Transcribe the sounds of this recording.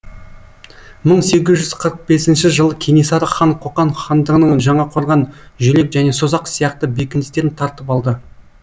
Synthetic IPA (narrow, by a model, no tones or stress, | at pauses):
məɴse̞ɡʲɪzʒʏz̥qʰəɾəq̚be̞sɪnʃɪʒəlˠəkʲʰenisɑɾəχɑɴqʰoqɑɴχɑnd̪əʁənəɴʒɑɴɑqʰoɾˠʁɑnʒɵle̞kʒæne̞sozɑqsijɑqt̪əbekʲɪnɪst̪e̞ɾɪnt̪ʰɑɾt̪əpɑlˠd̪ə